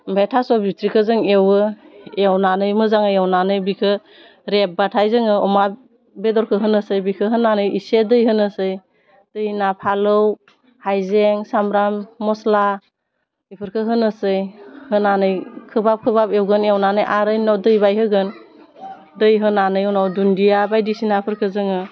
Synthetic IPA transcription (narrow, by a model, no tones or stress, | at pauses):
betʰasɔbutɾikʰɯzɯŋewɯewnanɯjmɯzaŋɯjawnanɯjbikʰɯ | ɾep̚batʰajzɯŋɯɔma | bedɔɾkʰɯɦɯnɯsɯjbikʰɯɦɯnːanɯjisedɯjɦɯnɯsɯj | d̥ɯjnapʰalɯw | hajzeŋsamɾamːɔsla | ipʰɯɾkʰɯɦɯnɯsɯjhɯnanɯjkʰɯbap̚kʰɯbapewɡɯnewnanɯjʔaɾɯjnɔwdɯjbajɦɯɡɯn | dɯjɦɯnanɯjɔwnawdundijabajdisinapʰɯɾkʰɯzɯŋɯ